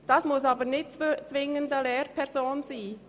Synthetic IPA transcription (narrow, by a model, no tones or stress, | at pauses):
d̥ɑsmʊsɑːbənɪtt͡st͡svɪŋəndəlɛːɾpʰɛɾzoːnsiː